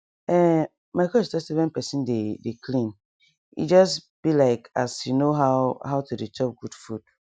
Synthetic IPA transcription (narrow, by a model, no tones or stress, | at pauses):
ɛ | maɪkʰɔɛstɛsɛvɛ̃npʰɛsĩndedekʰlĩn | ḭd͡ʒɔsb̥ilaɪkasjunoɦaʊɦaʊtʰudetʰɔp̚ɡudfud̥